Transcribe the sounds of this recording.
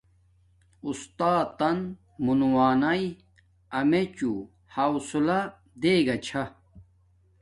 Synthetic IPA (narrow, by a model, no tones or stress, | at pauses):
ust̪aːt̪ɐn | munuwaːnɐj | ɐmet͡ɕu | hɐwsulɐ | d̪eːɡɐt͡ɕʰɐ